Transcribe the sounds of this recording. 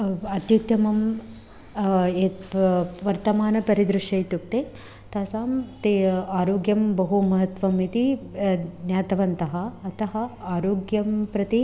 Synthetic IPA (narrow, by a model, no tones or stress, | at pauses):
ɐt̪jukt̪ɐmɐm | eː | ʋɐɾt̪ɐmaːnɐpɐɾid̪ɾuʃjɐjt̪ukt̪eː | t̪aːsaːmt̪eaːɾoːɡjɐmbɐɦumɐɦɐt̪ʋɐmit̪i | njaːt̪ɐʋɐnt̪ɐɦɐːt̪ʰɐɦɐaːɾoːɡjɐmpɾɐt̪i